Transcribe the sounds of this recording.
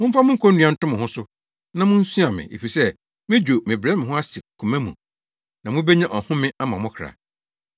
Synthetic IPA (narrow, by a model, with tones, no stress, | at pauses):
mʊ̃˦m̩˦fa˦mʊ̃˦ŋ̩˦kʰõ˦n̩˦nɥ̃ã˨n̩˦tʊ̃˦mɪ̃˨hʊ̃˦sʊ˦ | nã˦mʊ̃˦n̩˦sũ˦a˨mɪ̰̃˨ʔḛ˨fi˨sɛ˦ | mɪ̃˦d͡ʑᶣo˨mɪ̃˨bɾɛ˦mɪ̃˨ɦʊ̃˦a˦si˨kʰũ˨mɛ̃˦mũ˨ | nã˨mʊ̃˦bɛ˦ɲɛ̃˦ʔɔ˨hʊ̃˦mɪ̃˦a˦mã˨mʊ̃˦kʰɾa̰˨